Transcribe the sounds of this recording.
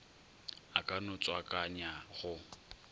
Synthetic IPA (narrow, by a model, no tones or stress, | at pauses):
akʼanʊt͡sʼwakʼaɲaɣʊ